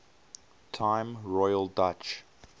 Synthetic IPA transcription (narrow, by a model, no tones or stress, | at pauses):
tʰãɪ̃mɹɔɪəlˠdat͡ʃ